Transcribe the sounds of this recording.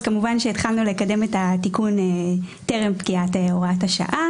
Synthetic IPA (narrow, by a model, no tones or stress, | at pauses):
kamuvanʃeit̪χalnule̞kade̞metatikuneteʁempɡiateoʁathaʃa̰ʔa